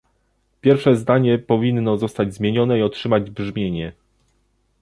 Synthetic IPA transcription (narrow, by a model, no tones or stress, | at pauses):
pʲjɛɾfʂɛzd̪aɲɛpɔvʲinːɔzɔst̪ad͡ʑzmʲjeɲɔnɛiɔtʂɘmad͡ʑbʐmʲjeɲɛ